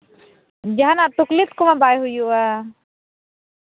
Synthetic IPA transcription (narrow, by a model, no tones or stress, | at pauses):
d͡ʒaɦanaʔt̪uklit̪̚kumabajɦujuʔa